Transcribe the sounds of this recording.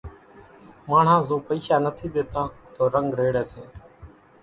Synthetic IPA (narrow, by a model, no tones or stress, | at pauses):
maːɳ̤ãːzoːpəiːʃaːnət̪ʰiːɓeːt̪ãːt̪oːɾəŋɡɾeːɽɛːseː